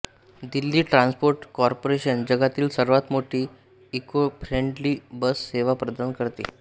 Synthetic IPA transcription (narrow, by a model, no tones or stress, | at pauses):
d̪ilːiːʈɾãnspoɾʈkɔɾpoɾeɕənd͡ʑəɡat̪iːlsəɾʋat̪moʈʰiː | ekofʰɾeɳɖliːbəsːeʋapɾəd̪ankəɾt̪ḛ